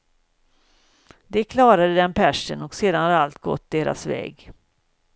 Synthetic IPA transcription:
d̪ɛkʰlɑːɾad̪əd̪ɛnpʰæʂənɔkseːd̪anhad̪ɛalt̪ɡɔ̰t̪̚ːd̪eːɾa̰svɛ̰ːɡ

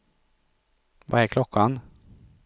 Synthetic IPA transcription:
va̰ɛkʰlɔkʰːan

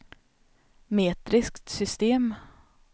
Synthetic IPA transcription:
meːt̪ɾɪskt̪sʏst̪eːm

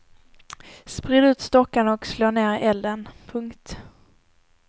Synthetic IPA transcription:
spɾɪd̪ʉ̟ːt̪st̪ɔkːanəɔksloːɳeːɾʔɛld̪ənpʰɵŋkt̪

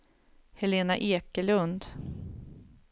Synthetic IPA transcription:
hɛleːnaʔeːkəlɵnd̪

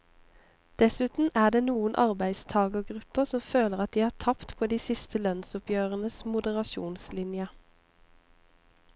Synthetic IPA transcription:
d̪̥ɛsʉːt̪n̩æːd̪eːnuːənʔɑʁbæɪst̪ʰɑːɡəʁɡʁʉpəʁsɔmføːləʁɑt̪̚d̪iːæːt̪ʰɑpt̪pʰoːd̪iːsɪst̪ʰəlœnsʊpjøːʁənəsmʊd̪əʁɑʃṵːnslɪnjə

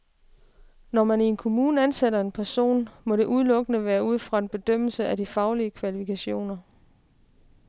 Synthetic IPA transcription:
nɒmænie̝nkʰo̝muːnænseɾɐe̝npʰæɐso̝̰ːnmɒ̽ɾe̝ʔuð̞ˠlɔ̽ɡ̥ənəʋæːɐuð̞̰ˠfʁɑ̈e̝nb̥e̝d̥øm̰l̩səʔæd̥ifɑ̈ʊliəkʰʋælifikʰæɕo̝̰ːnɐ

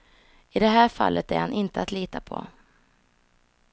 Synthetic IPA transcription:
ɪd̪ɛɦæːɾfa̰lːʔət̪æ̰ɾhanʔɪnt̪əat̪liːt̪apʰɔ̰

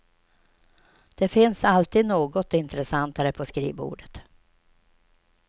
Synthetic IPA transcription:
d̪̥ɛfɪnsalt̪iːd̪noːɡɔt̪ɪnt̪ɾɛsant̪aɾəpʰɔskɾḭːbṵːɖət̪

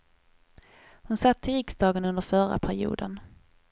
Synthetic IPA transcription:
hʊnsat̪ʰːɪɾɪksd̪ɑːɡənɵnd̪əɾfœɾa̰pʰæɾɪ̰ṵːd̪ən

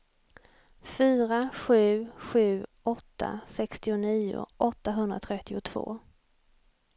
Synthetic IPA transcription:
fyːɾaɧʉ̟ːɧʉ̟ː | ɔt̪ʰːa̰sɛkst̪ɪʊniːʊ̰ʔɔt̪ːaɦɵnd̪ɾa̰t̪ʰɾɛt̪ːɪʊt̪ʰv̥o̰ː

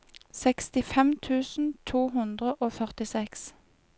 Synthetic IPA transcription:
sɛkst̪ɪfɛmt̪ʰʉːsn̩t̪ʰuːhʉnd̪ʁəʔoːfœʁt̪ɪsɛks

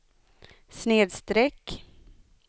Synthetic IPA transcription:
sneːd̪st̪ɾɛkː

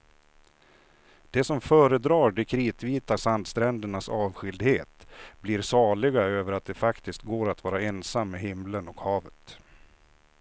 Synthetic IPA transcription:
d̪̥ɛsɔmfœːɾəd̪ɾɑːɖɛkʰɾiːt̪viːt̪asand̪st̪ɾɛnd̪əɳasɑːvɧʏld̪heːt̪bliɾsɑːɭɪɡaøːvəɾat̪̚d̪ɛfakt̪ɪskt̪̚ɡoːɾat̪vɑːɾaɛnsamːeɦɪmlənɔkhɑːvət̪

